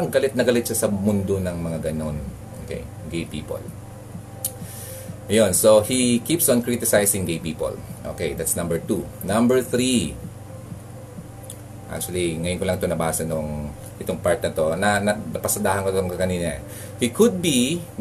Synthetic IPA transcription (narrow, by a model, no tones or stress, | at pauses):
ɐŋɡɐlɪt̪̚nɐɡɐlɪt̪ʃasɐmʊnd̪onɐŋmɐŋaɡɐno̞n | ʔo̰ːkḛj | ɡejpiːpo̰l | ʔɐjonsohikipsɐnkɹit̪ɪsajsɪ̃ŋɡejpiːpo̰lʔo̰ːkejd̪at̪snɐ̃mbɛɹt̪unɐ̃mbɛɹθɾi | ʔa̰k̚t͡ʃuɐliŋɐjonkolɐŋɪt̪onɐbaːsɐnoŋ | ʔɪt̪oŋpaɹt̪̚nɐt̪o̞nɐnɐnɐpɐsɐd̪aːhɐnkot̪oŋkɐniːnɐ̰ | hikʊd̪̚bi